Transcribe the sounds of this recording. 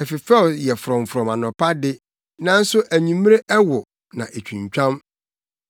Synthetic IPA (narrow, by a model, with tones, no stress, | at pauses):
ɛ˨fɪ˨fɛ˦˨jɛ˨fʊ˨ɾɔ̃˨m̩˨fʊ˨ɾɔ̃˨mã˨nɔ̃˨pa˦dɪ˦ | nã˦n̩˦sʊ˦ʔæ˨ɲĩ˨m˦ɾe˦ʔɛ˦wʊ˨ | nã̰˨ʔe˨t͡ɕᶣʰũ˨ɲ˨t͡ɕᶣã˦m